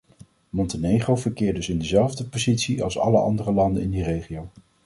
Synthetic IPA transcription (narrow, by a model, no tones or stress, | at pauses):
mɔntənejχrowvəɹkɪːɹdɵsɪndəzɛlˠvdəpozitsiɑ̰lˠsɑ̰ləɑ̰ndərəlɑndənɪndirejχiow